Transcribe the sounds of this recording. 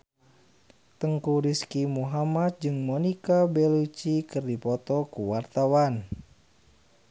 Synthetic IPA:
t̪əŋkuɾiskimuɦamat̪̚d͡ʒɨŋmɔnikabɛlut͡ʃikɨrdipɔt̪ɔkuwart̪awan

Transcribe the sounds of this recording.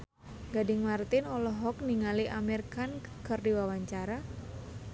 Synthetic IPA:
ɡadɪŋmart̪ɪnɔlɔɦɔk̚niŋaliʔamɛrkankərdiwawaɲt͡ʃaɾa

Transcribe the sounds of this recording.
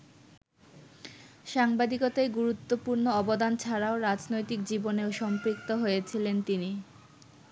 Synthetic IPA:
ʃaŋbad̪ikot̪ajɡuɾut̪ːopuɾnoɔbod̪ant͡ɕʰaɾaoɾad͡ʑnojt̪ik̚d͡ʑiboneoʃɔmpɾik̚t̪oɦojet͡ɕʰilent̪ini

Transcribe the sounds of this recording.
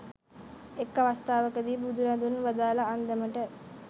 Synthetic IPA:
ekːɐʋast̪aːʋəkəd̪iːbud̪uɾad̪unʋad̪aːlɐːnd̪eməʈə

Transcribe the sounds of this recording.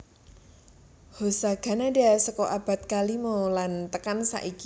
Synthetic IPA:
hosaɡ̥a̤nadasəkɔʔab̥a̤t̪̚kalimolant̪əkansa̰ʔiki

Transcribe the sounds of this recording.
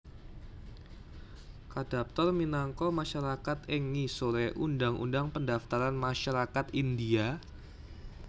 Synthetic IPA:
kad̥ap̚t̪ɔrminaŋkɔmaʃaɾakat̪ɛŋisoɾɛʔundaŋʔṵndaŋpəndaft̪aɾanmaʃaɾakat̪india

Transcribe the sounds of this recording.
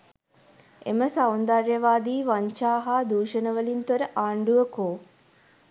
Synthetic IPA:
ḛməsawnd̪aɾjɐʋaːd̪iːʋaɲt͡ʃaːɦaːd̪uːʃɐnɐʋɐlint̪oɾɐʔaːɳɖuʋɐkoː

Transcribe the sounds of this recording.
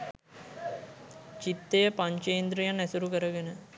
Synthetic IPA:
t͡ʃit̪ːejəpaɲt͡ʃejnd̪ɾijanːɛsuɾukəɾəɡenə

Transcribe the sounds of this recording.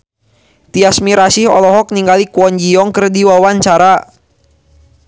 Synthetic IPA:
t̪iasmiɾasɪhɔ̰lɔɦɔk̚niŋɡalikuɔɲd͡ʒiɔŋkərdiwawaɲt͡ʃaɾa

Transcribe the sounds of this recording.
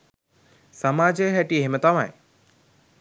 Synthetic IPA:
samaːd͡ʒejɦɛʈieɦimət̪ama̰j

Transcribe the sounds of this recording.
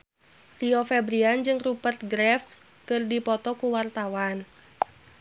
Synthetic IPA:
riofɛbɾiand͡ʒɨŋrupərt̪̚ɡɾɛf | kɨrdipɔt̪ɔkuwart̪awan

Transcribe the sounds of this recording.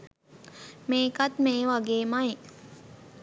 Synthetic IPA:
meːkat̪meːʋaɡeːmai

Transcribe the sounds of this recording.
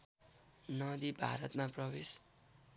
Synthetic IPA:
nʌd̪ibʱa̰ɾʌt̪maprʌbes

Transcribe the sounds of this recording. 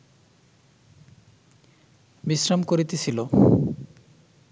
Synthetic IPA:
bisɾamkoɾit̪et͡ɕʰilo

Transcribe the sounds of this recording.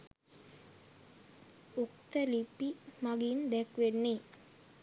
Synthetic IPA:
okt̪əlipimaɡind̪ɛkʋenːe

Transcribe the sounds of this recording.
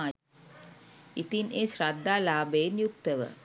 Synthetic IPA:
it̪inesɾad̪ʱːaːlaːbejnjuk̚t̪ːəʋə̰

